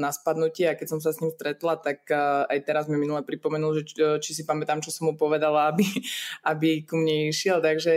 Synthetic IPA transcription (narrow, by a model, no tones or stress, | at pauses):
naspad̪nucɪɛakɛcsɔms̬asɲimst̪ɾɛt̪lat̪akajt̪ɛɾazmiminulɛpɾipɔmɛnulʒɛt͡ʃisipamɛt̪aːmt͡ʃɔsɔmɦupɔʋɛd̪alaabiabikumɲɛiʃɪɛlt̪aɡʒɛ